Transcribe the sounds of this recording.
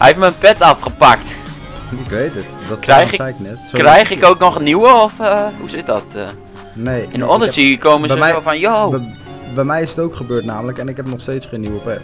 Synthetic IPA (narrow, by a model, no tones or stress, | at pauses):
hɛ̰eftməənpɛtɑfχəpɑkt | ɪkʋejtətdkɛjxɪɛknɛtkːrɛjχɪkowknɔχniwəɔfɦusɪt̚dɔtə | nejɪnɔndəsikowməzəofɑnjo | bɛjmɛjɪsətowkχəbøːɹtnaːmələkɛnɪkɦɛp̚nɔχstejtsχenːiwəpɛt